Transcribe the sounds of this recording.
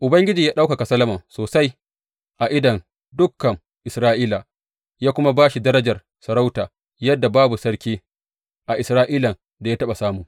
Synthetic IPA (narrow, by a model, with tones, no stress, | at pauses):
ʔʊ˨bɐ˦ŋɡʲɪ˦d͡ʒiː˨jaː˦ɗa˦wka˨ka˨sɐ˦lɐ˦mɐ˨ŋsoː˨sa˦j | ʔa˨ʔɪ˦dɐ˨n | dʊ˦kːɐ˨ŋ | ʔɪ˨sɾaː˦ʔiː˦la˨ | jaː˦kʷʊ˦ma˦baː˦ʃi˨dɐ˦ɾɐ˦d͡ʒɐ˨r | sɐ˨ɾa˦wtaː˨ | jɐ˦dːa˨baː˦bu˨sɐ˦ɽkʲiː˦ | ʔa˨ʔɪ˨sɾaː˦ʔiː˦lɐ˨ | da˨ja˦tɐ˦ɓa˨saː˦mʊ˨